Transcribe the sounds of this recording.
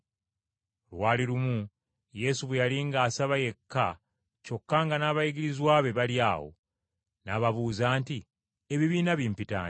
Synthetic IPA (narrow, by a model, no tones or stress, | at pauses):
lwaːliɾumu | je̞ːsuβwejaliŋɡaːsaβaje̞kːa | co̞kːaːŋɡanaːβajiɡiɾizwaːβe̞βaljaːwo̞̰ | naːβaβuːzaːnti | e̞βiβiːnaβimpita̰ːn